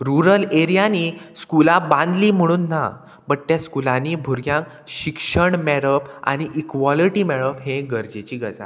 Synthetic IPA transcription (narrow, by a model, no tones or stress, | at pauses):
ɾuɾəleɾijaniːskulabãnd̪liːm̤əɽ̃uːnːa̰ | bəʈ̚t̪jaskulãniːbʱoɾɡjãŋk | ɕikʂəɳmɛɽəpa̰ɽ̃iʔikʋɔliʈimɛɭəpɦẽɡəɾd͡ʑet͡ɕiːɡəd͡za̰